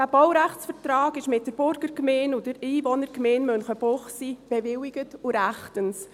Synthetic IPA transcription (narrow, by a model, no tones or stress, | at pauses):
d̥æːb̥ɔwɾæχt͡sfəɾtrɑːɡɪʃmɪt̚d̥əɾb̥ʊɾɡəɾkmeːnʊd̥əɾiːvɔnəɾkmeːnmœnχəb̥oχsib̥ɛvɪwɪɡətuɾæχtəns